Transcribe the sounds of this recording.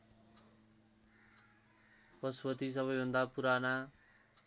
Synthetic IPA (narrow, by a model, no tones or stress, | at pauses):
pʌsbʌt̪is̬ʌβʌjbʱʌnd̪apuɾana